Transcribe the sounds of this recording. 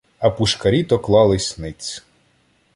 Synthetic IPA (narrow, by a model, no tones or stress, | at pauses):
ɐpuʃkɐɾʲit̪ɔklˠɑlˠɪsʲnɪt͡sʲ